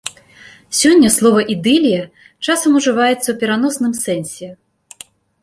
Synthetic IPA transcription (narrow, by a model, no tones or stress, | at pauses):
sʲɔnʲːɐslˠɔvɐʔid̪ɨlʲijɐ | t͡ʂasɐmuʐɨvajɛt̪sːɐwpʲɛɾan̪ɔsnɨmsɛnʲsʲɛ